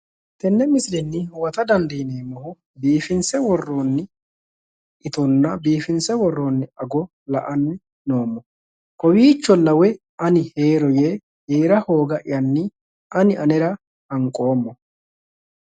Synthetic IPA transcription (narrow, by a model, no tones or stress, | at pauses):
t̪ɛnːɛmɪsɾɛnːɪwɐt̪ɐd̪ɐnd̪ineːmːɔhʊ | biːfɪnsɛwɔrːoːnːɪ | ʔɪt̪ɔnːɐbiːfɪnsɛwɔrːoːnːɪɐɡɔ | lɐʔɐnːɪ | no̞ːmːɔ | kɔwiːt͡ʃːɔlɐwɛ | ɐnɪheːɾɔje | heːɾɐho̞ːɡɐʔɪjɐnːɪ | ʔɐnɪʔɐnɛɾɐ | hɐŋkʼo̞ːmːɔ